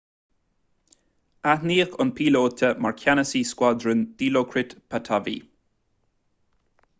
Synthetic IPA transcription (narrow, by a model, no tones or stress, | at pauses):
ahniːxənpʰiːloːt̪ʰəmaɹkʰjanəsiːskwad̪ɾənd̪̥iːlokʰɾɪt̪pʰat̪ʰavḭ